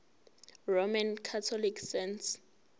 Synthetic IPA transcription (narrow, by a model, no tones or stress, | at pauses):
romankʰatʰɔlikʰsɛnt